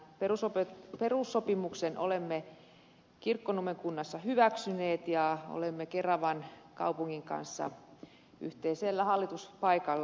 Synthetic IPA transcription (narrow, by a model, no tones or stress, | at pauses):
perusopeperusːopimuksenʔo̰lemːe | kirkːonumeŋkunːɑsːɑhyʋæksyneːt̪jɑo̰lemːekerɑʋɑnkɑ̰upuŋːiŋkɑ̰nsːɑ̰ | yht̪eiselːæhɑlːit̪uspɑikɑlː